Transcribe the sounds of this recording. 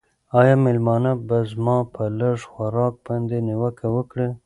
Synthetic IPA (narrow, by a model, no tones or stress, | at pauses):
ɑjɑmɪlmɑnabazmɑpʰələʐxaɾɑk̚bɑnd̪enɪwəkawəkɽə